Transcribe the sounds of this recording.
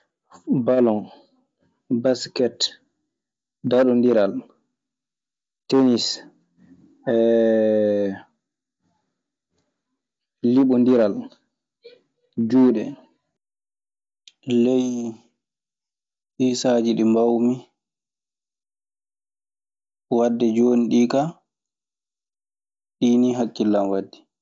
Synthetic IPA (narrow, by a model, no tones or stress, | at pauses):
balɔn | baskɛt | daɗɔndiɾal | tenis | ɛ | liɓɔndiɾal | d͡ʒuːɗɛ | lɛj | ʔiːsad͡ʒiɗimbawmi | wadːɛd͡ʒoːniɗiːka | ɗiːniɦakːilːamwadːi̥